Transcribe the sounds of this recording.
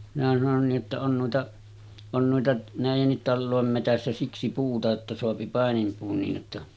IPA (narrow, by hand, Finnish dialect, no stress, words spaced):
minæ sɑnon niːʔ ʔotːɑ on nuitɑ on nuitɑ næˑijenːit tɑlːoˑem metæsːæ siksi puːtɑ etːæ soɑpi pɑˑenimpuːn niːj jotːɑ